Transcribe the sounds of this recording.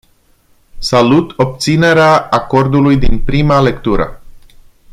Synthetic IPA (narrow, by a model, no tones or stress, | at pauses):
salut̪o̞p̚t̪sine̞ɾeaːko̞rd̪ulujd̪inpɾimale̞kt̪uɾə̰